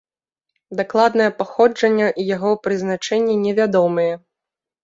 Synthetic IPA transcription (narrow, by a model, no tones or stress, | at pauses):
d̪aklˠad̪nɐjɐpaxɔd͡ʐɐnʲːɐʔjaɣɔwpɾɨznat͡ʂɛnʲːinʲɛvʲad̪ɔmɨjɛ